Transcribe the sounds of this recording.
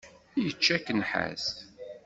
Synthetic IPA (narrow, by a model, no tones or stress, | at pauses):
jət͡ʃːækːənħæ̰s